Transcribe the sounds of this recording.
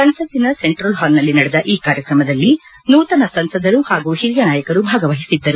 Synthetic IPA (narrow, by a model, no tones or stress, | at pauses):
sɐnsɐd̪inɐse̞ɳʈɾɐlɦaːlnɐlːinɐɽɛd̪ɐʔiːkaːɾjɐkɾɐmɐd̪ɐlːi | nuːt̪ɐnɐsɐnsɐd̪ʱɐɾuhaːɡuhiɾijɐnaːjɐkɐɾubʱaːɡɐʋɐɦisid̪ːɐɾu